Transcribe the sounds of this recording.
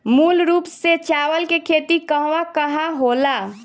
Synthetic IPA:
muːlɾuːpset͡ʃaːwəlkekʰeːt̪ikəɦʋakəɦãɦola

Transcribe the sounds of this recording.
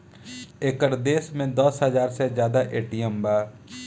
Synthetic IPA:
eːkəɾd̪eːsmẽd̪əsɦəzaːɾsezjaːd̪aʔeːʈijəmbaːɾ

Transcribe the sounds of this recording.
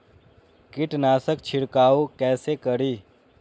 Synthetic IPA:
kɪʈnaːsəkt͡ʃʰɪɽkaːokɛːsekəɾiː

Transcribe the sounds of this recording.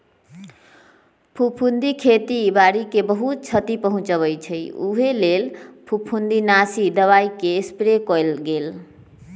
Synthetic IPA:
pʰupʰund̪ikʰet̪ibaɾikebəɦut̪̚t͡ʃʰət̪ipəɦũt͡ʃəβəjt͡ʃʰəjuɦelelpʰupʰund̪inasid̪əβaikespɾekɔlɡel

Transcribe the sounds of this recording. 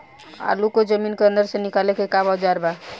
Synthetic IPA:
a̰lukod͡ʒəminkeənd̪əɾsẽnikalekekabad͡ʒaɾba

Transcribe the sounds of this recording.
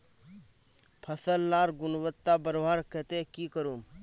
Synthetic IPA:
pʰəsəlːaːɾɡʊnwət̪ːabəɾoɦaɾket̪ekiːkəɾuːm

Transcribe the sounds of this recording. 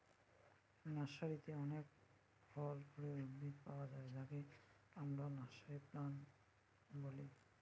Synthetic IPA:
nasaɹit̪eɔnek̚ | bʱɔlbʰʱoɹeubid̪pawazalaɡe | amɾanasaɾiplan | boli

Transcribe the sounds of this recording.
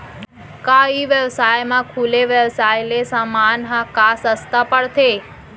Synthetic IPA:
kaiʋjəʋsajmãkʰuleʋjəʋsajlesamanɦãkasəst̪apəɽt̪ʰe

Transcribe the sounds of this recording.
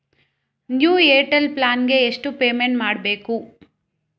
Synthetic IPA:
njuːeːʈɐlplaːnɡe̞ːʂʈupeːmeɳʈmaːɽbe̞ːku

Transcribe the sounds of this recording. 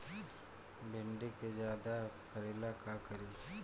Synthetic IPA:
bʱɪɳɖeked͡ʒjaːd̪apʰɐɾeːlakakɐɾi

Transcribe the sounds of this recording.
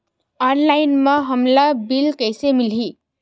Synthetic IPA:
ʌnlajnmʌɦʌmlabilkʌjsemilɦi

